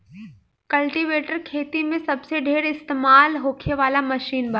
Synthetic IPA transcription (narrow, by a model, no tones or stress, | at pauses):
kɐlʈiʋeːʈəɾkʰeːt̪imẽsɐbseɖʱeːɽɪst̪eːmaːlɦoːkʰeʋaːlamɐʃiːnbɐ